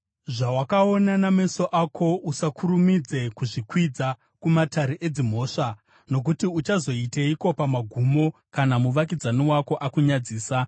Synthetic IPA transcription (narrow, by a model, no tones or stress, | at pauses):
ʐawakaonaname̞so̞ʔakʰo̞usakʰuɾumid͡ze̞kuʐikwid͡za | kumataɾeʔed͡zim̤o̞ːʂa | no̞k̬utiut͡ʃazo̞iteiko̞pamaɡʱumo̞ | kanamuʋak̬id͡zaniwako̞ʔakuɲad͡ziːsa